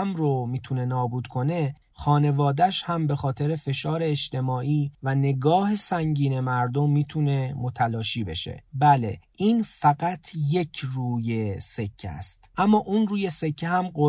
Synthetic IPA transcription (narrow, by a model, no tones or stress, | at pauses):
mɾomiːt̪ʰune̞nɒːbuːd̪̥kʰo̞ne̞ | xɒːne̞vɒːd̪æʃhæmbe̞xɒːt̪ʰe̞ɾefe̞ʃɒːɾe̞ːʃt̪e̞mɒːʔiːvæne̞ɡɒːhe̞sæŋɟiːne̞mæɾd̪o̞mːiːt̪ʰune̞mot̪ʰælɒːʃiːbe̞̰ʃe̞̰bæle̞̰ʔiːnfæɡæt̪ʰje̞cʰruːje̞se̞cʰːæ̰st̪ʔæmːɒːʔunruːje̞se̞cʰːeɦæmɢo